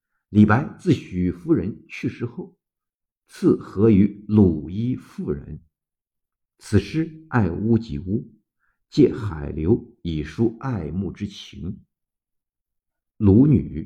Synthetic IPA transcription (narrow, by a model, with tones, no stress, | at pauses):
li˨˩pa˧˥ɪt͡sɹ̩˥˩ɕy˨˩fu˥ɻə˧˥nt͡ɕʰy˥˩ʂɻ̩˥xo˥˩ʊ | t͡sʰɹ̩˥˩xɤ˧˥y˧˥lu˨˩i˥fu˥˩ɻə̰˧˥n | t͡sʰɹ̩˨˩ʂɻ̩˥˩a˥˩ɪu˥t͡ɕi˧˥˩u˥ | t͡ɕjɛ˥˩xa˨˩ɪljo˧˥ʊi˨˩ʂu˥a˥˧ɪmu˥˩ʈ͡ʂɻ̩˥t͡ɕʰi˧˥ŋ | lu˧˥ny˨˩˦